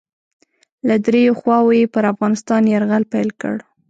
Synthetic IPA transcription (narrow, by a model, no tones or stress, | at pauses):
lad̪ɾejoxwɑwojepəɾafɣɑnɪst̪ɑnjaɾɣalpajlkə̰ɽ